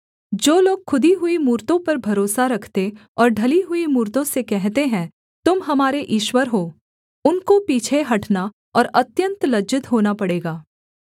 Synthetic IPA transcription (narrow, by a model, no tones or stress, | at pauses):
d͡ʒoːloːɡxʰʊd̪iɦʊimuːɾt̪õpɐɾbʱɐɾoːsaɾɐkʰt̪e | ɔːɾɖʱɐliɦʊimuːɾt̪õsekɛɦt̪eɦɛ̃ː | t̪ʊmɦɐmaːɾeʔɪːʃwəɾɦoː | ʊnkopiːt͡ʃʰeɦɐʈna | ɔːɾɐt̪jə̃nt̪lɐd͡ʒɪt̪ɦoːnapɐɽeːɡaː